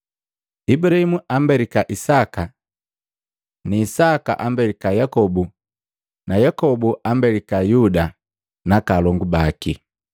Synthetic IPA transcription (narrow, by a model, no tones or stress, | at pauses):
ibuɾahimuʔambɛɾikaʔisaka | niːsaka̰ʔambɛɾikajakɔbu | najakɔbuʔambɛlikajuda | nakalɔŋɡubaki